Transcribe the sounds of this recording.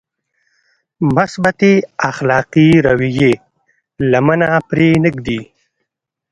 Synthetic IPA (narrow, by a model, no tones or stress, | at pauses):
mʊsbat̪eaxlɑqiɾawije | lamənapɾenəɡd̪i